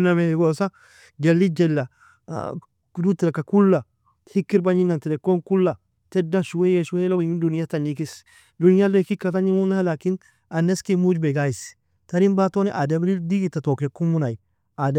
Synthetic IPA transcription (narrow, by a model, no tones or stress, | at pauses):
nameheɡosa | d͡ʒelːid͡ʒelːa̰ | duteɾekakulːa | hikːiɾbaɲinanteɾekonkulːa | tedːaʃuwejeʃuweloɡimidunijatanikis | dunijalokikːataɲiunaalakin | anːeskimud͡ʒbeɡajis | taɾinbatoniʔadamɾidiɡitatokekumunai | ad